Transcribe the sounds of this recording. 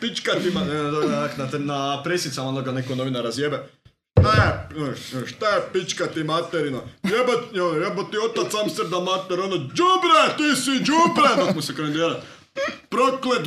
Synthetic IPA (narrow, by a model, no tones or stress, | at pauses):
pit͡ʃkat̪imaaaknat̪enapɾesit̪samaonoɡanekonoʋinaɾazjebe | ʃt̪aje | ʃt̪ajepit͡ʃkat̪imat̪eɾinojeboonjebot̪iot̪at̪samsebnamat̪eɾonod͡ʒubɾet̪isid͡ʒubɾenokmusekomend̪iːɾat̪ | pɾokled̪